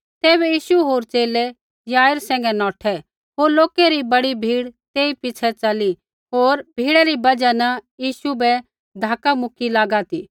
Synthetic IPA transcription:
t̪eːβɛjiːʃuɦoːɾt͡ʃeːlɛ | jaːjəɾsɛ̃ːŋɡɛnɔːʈʰɛ | ɦoːɾloːkeɾibɐɽibʱiːɽt̪eːipɪt͡ʃʰɛt͡ʃɐli | ɦoːɾbʱiːɽaɾibɐd͡ʒanɐjiːʃubɛ | d̪ʱaːkamʊkʰilaːɡat̪i

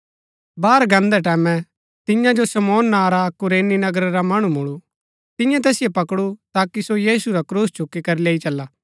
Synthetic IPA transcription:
baːɾɡɐ̃nd̪ɛʈ̬ɛːmɛ̃ | t̪ɪ̃jãd͡ʒosɐmɔːnːaːɾakʊɾeːninɐɡəɾaɾamɐɽ̃umʊɭu | t̪ɪ̃jãt̪̬ɛːsɪjepɐkɽut̪aːkisojiːsuɾakɾuːst͡ʃʰʊkːikɐɾileːit͡ʃɐlːaː

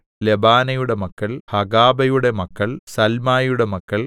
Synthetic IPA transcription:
lebaːnɐjuɽe̞mɐkːɐɭhɐɡaːbɐjuɽe̞mɐkːɐɭsɐlmaːjuɽe̞mɐkːɐɭ

